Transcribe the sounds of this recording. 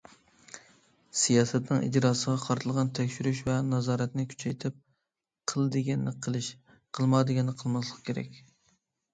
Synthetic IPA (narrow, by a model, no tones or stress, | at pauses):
sijɑːsɛt̪nɨŋḭd͡ʒɾɑːsəʁɑqʰɑɾt̪ʰɨlˠʁɑnt̪ʰɛkʲʃyɾyʃvɛnɑzɑːɾɛt̪nɪkʲʰy̥t͡ʃʰɛjt̪ʰɪp̚ | qʰəlˠɨd̪ɨɡʲɛnɨqʰəlˠɨʃ | qʰəlˠmɑd̪ɨɡʲɛnɨqʰəlˠmɑslˠəqkʲʰeɾɛ̰kʲ